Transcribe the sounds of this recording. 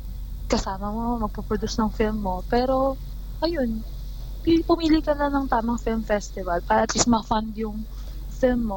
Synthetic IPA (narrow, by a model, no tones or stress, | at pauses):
kɐsaːmɐmomɐɡ̚pupɾod̪usnɐŋfɪlmːo̞pɛːɾo̞ | ʔɐjo̞n | pipʊmiːlikɐnɐnɐŋt̪aːmɐŋfɪlmfɛst̪ɪvɐlpaːɾɐʔɐt̪list̪mɐfand̪jʊŋ | fɪlmːo